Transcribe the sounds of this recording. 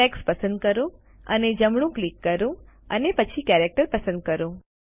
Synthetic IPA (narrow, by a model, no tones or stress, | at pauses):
ɛkspəsə̃nd̪̚kəɾõ | əned͡ʒəmɳ̃ũklikːəɾũ | ənepət͡ʃʰikɛɾek̚ʈəɾpəsə̃nd̪̚kəɾõ